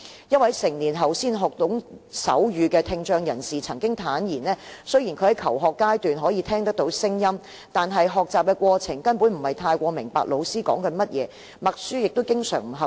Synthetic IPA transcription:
jɐ˥t̚wɐ˨˥jsɪ˨˩ŋniː˨˩nɦɐ˨wsiː˥nɦɔː˨k̚t̪ʊ˨˥ŋsɐ̰˨˥wjyː˨˧kɛː˧t̪ʰɪ˧ŋt͡ʃœː˧ŋjɐ˨˩nsiː˨t͡sʰɐ˨˩ŋkɪ˥ŋt̪ʰaː˨˥njiː˨˩nlɛː˥sɵ˥ɥji˨˩nkʰɵ˨˧ɥhɐ˨˥jkʰɐ˨˩wɦɔː˨kːaː˥jt̪yː˨nɦɔː˨˥jiː˨˧t̪ʰɛː˥ŋt̪̬ɐ˥k̚t̪o˨˥wsɪ˥ŋjɐ˥m | t̪aː˨nɦɐ˨jɦɔː˨k̚t͡saː˨p̚kɛ˧kʷɔː˧t͡sʰɪ˨˩ŋkɐ˥npuː˨˥nm̩˨˩hɐ˨jt̪ʰaː˧jkʷɔː˧mɪ˨˩ŋpa̰ː˨k̚lo˨˧wsiː˥kɔ̰ː˨˥ŋkɐ˨˥nmɐ˥t̚jɛː˨˧ | mɐ˨k̚syː˥jɪ˨k̚t̪o˥wkɪ˥ŋsœ̰ː˨˩ŋm̩˨˩ɦɐ˨˩

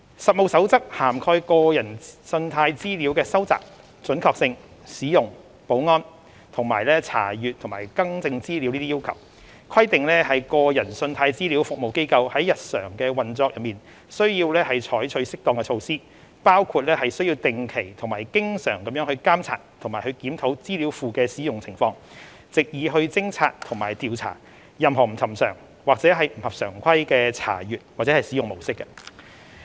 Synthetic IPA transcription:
sɐ˨t̚mo˨˧wsɐ˨˥wt͡sɐ˥k̚haː˨˩mkʰɔː˧jkɔː˧jɐ˨˩nsɵ˧nt̪ʰaː˧jt͡siː˥liː˨˥wkɛː˧sɐ˥wt͡sa̰ː˨p̚ | t͡sɵ˨˥nkʰɔː˧k̚sɪ˧ŋ | siː˨˥jʊ˨˩ŋ | po˨˥wŋɔː˥n | t̪ʰʊ˨˩ŋmaː˨˩jlɛː˥t͡sʰa̰ː˨˩jyː˨t̪̚ʰʊ˨˩ŋmaː˨˩jkɐ˥ŋt͡sɪ˧ŋt͡siː˥liː˨˥wniː˥iː˥jiː˥wkʰɐ̰˨˩w | kʰwɐ˥jt̪ɪ˨ŋlɛː˥hɐ˨jkɔː˧jɐ˨˩nsɵ˧nt̪ʰaː˧jt͡siː˥liː˨˥wfʊ˨k̚mo˨˩wke˥jkɐ˧whɐ˨˥jɐ˨t̚sœ̰ː˨˩ŋkɛː˧wɐ˨nt͡sɔː˧k̚jɐ˨miː˨˩n | sɵ˥ɥjiː˧wlɛː˥hɐ˨jt͡ʃʰɔː˨˥jt͡ʃʰɵ˨˧ɥsɪ˥k̚t̪ɔː˨˩ŋkɛ˧t͡ʃʰo˧wsiː˥ | paː˥wkʰuː˧t̚lɛː˥hɐ˨jsɵ˥ɥjiː˧wt̪ɪ˨˩ŋkʰe˨˩jt̪ʰʊ˨˩ŋmaː˨˩jkɪ˥ŋsœː˨˩ŋkɐ˨˦mjœː˨˥ŋhɵ˧ɥkaː˥mt͡sʰa̰ː˨˩t̚t̪ʰŋmaː˨˩jhɵ˧kiː˨˥mt̪ʰo˨˥wt͡siː˥li˨˥wfuː˨kɛː˧siː˨˥jʊ˨ŋt͡sʰɪ˨˩ŋfɔː˧ŋ | t͡sɪ˨k̚jiː˨˧ɦɵ˧ɥt͡sɪ˥ŋt͡sʰa̰ː˧t̚t̪ʰʊ˨˩ŋmaː˨˩jt̪iː˨˧wt͡sʰa̰ː˨˩ | jɐ˨mɦɔː˨˩m̩˨˩t͡sʰɐ˨˩msœ̰ː˨˩ŋ | waː˨k̚t͡sɛː˨˥ɦɐ˨jm̩˨˩hɐ˨p̚sœː˨˩ŋkʷʰɐ˥jkɛː˧t͡sʰa̰ː˨˩jyː˨t̚waː˨k̚t͡sɛː˨˥hɐ˨˩jsiː˨˥jʊ˨ŋmo˨˩wsɪ˥kːɐ˧

